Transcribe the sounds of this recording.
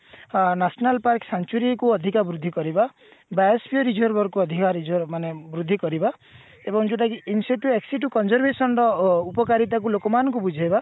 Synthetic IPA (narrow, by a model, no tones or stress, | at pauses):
nasɔnalpaɾksant͡ʃuɾikuɔd̪ʱikabɾud̪ʱːikɔɾiba | baespʰiɔɾid͡ʒʱɔɾbɔɾkuɔd̪ʱikaɾid͡ʒʱɔɾmanebɾud̪ʱːikɔɾiba | ebɔŋd͡ʒoʈakiːnsiʈjueksiʈukɔnzɔɾbesɔnɾɔupɔkaɾit̪̬ak̬ulokɔmanɔ̃ŋkubud͡ʒʱajba